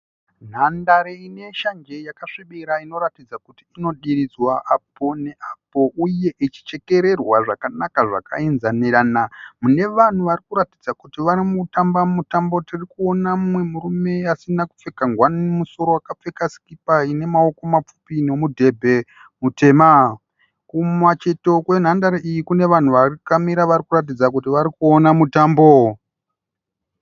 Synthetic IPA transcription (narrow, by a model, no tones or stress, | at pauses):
n̤andaɾeine̞ʃand͡ʒe̞jakaʂiɓiɾaino̞ɾatid͡zakutiːno̞ɗiɾid͡zwaʔapo̞ne̞ʔapo̞ʔuje̞ʔit͡ʃi̥t͡ʃe̞ke̞ɾe̞rwaʐakanakaʐa̰ka̰inzaniɾaːnamune̞ʋan̤uʋaɾikuɾatid͡zakutiʋaɾimutambamutambo̞tirikuo̞namwe̞muɾume̞asinaku̥p͡fe̞kaŋɡwanmuso̞ɾo̞wakap͡fe̞kasi̥kipaine̞mao̞ko̞map͡fu̥pino̞mudʱe̞bʱe̞ | mutʰe̞ːma | kumwat͡ʃe̞to̞kwe̞n̤andaɾaʔijikune̞ʋan̤uʋarikamiɾaʋaɾikurat̬id͡zakutiʋaɾikuonamutaːmbo̞